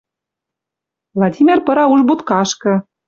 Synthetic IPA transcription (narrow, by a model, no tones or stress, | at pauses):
vlˠɑdʲimʲerpɤ̆ɾɑuʒbut̪kɑʃkɤ̆